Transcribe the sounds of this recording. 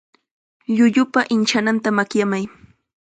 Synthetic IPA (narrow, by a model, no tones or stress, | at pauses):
ʎʊʎʊpaʔɪnt͡ʃanant̪amakjamaj